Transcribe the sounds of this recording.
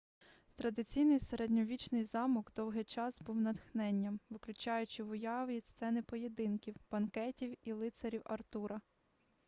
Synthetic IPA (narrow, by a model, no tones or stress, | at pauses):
t̪ɾɐd̪ɪt͡sʲijnɪjseɾedʲnʲɔʋʲit͡ʃnɪjzɑmɔɡd̪ɔwɦɪjt͡ʃɑsbuwnɐd̪xnɛnʲːɐmʋɪklʲʊt͡ʃɑjʊt͡ʃɪʋʊjɑʋist̪sɛnɪpɔjed̪ɪnkʲiwb̥ɐnkɛtʲiwilˠɪt̪seɾʲiwɐrt̪uɾɐ